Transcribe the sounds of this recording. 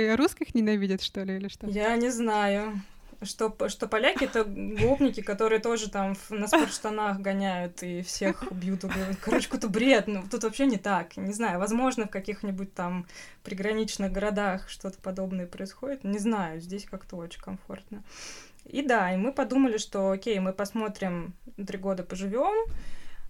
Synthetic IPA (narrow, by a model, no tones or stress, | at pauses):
ɾuskʲɪxnʲɪnɐvʲidʲɪt̪ʂt̪olʲɪilʲɪʂt̪ojanʲɪznajʊ | ʂt̪o̞ʂt̪o̞pɐlʲækʲɪɛt̪əɡlˠopnʲɪkʲɪkɐt̪o̞ɾɨjət̪o̞ʐɨt̪amfnəspʊrʂt̪ɐnaxɡɐnʲæjʊt̪ifsʲe̞xbjut̪ʊɡkɐɾot͡ɕkt̪əbɾʲe̞d̪nut̪ut̪vɐpɕːenʲɪt̪aknʲɪznajʊvɐzmo̞ʐnəfkɐkʲixnʲɪbʊt̚ʲt̪ampɾʲɪɡɾɐnʲit͡ɕnɨɣɡəɾɐd̪axʂt̪o̞t̪ə̥pɐd̪o̞bnəjəpɾəɪsxo̞dʲɪt̪nʲɪznajʊzʲdʲesʲkakt̪əo̞t͡ɕɪkɐmfo̞̰rt̪nə | id̪aimɨpɐd̪uməlʲɪʂt̪o̞okʲejmɨpɐsmo̞t̪ɾʲɪmt̪ɾʲiɡo̞d̪əpəʐɨvʲom